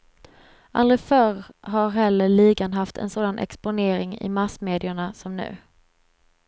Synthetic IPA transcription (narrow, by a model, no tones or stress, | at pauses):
ʔa̰ld̪ɾɪfœɾɦaɾɦɛlːəɭiːɡanɦaft̪ʰɛ̰nsoːd̪anʔɛ̰kspʊneːɾɪŋɪ̰masmeːd̪ɪʊɳasɔmnʉ̟̰ː